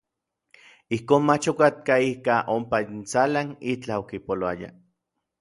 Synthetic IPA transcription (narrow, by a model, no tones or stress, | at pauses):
ihkoːnmat͡ʃokat̪̚kaihkaʔompaint͡salanit͡ɬaokipoloaja̰